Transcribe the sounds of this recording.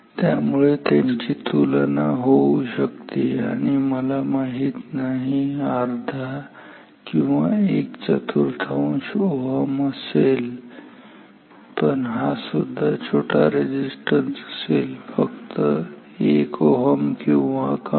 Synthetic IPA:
t̪jamuɭet̪emt͡ɕit̪ulənaɦowɕəkt̪ia̰ɽ̃iməlamaɦit̪naɦiaɾd̪ʱa | kĩw̃ʋa̰ekt͡ɕət̪ʰuɾt̪ʰaũɕoɦəməsel | pəɳɦasud̪ʱːat͡ɕʰoʈʰaɾed͡ʑisʈənsəselfəkt̪ə | ekoɦəmkĩw̃ʋaka

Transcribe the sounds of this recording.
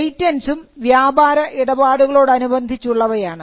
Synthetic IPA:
jtːɐnsumʋjaːbaːɾɐʔiɽɐbaːɽuɣɐɭo̞ːɽɨɐnubɐnd̪ʱit͡ɕːuɭːɐʋɐjaːɳɨ

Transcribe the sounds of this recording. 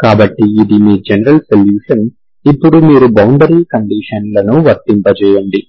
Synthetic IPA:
kaːbɐʈːiːd̪imiːd͡ʒɛnɐɾɐlsɐljuːʂɐn | ipːuɽumiːɾubɐwɳɖɐɾiːkɐɳɖiːʂɐnlɐnuʋɐɾt̪impɐt͡ʃɛːjɐɳɖi

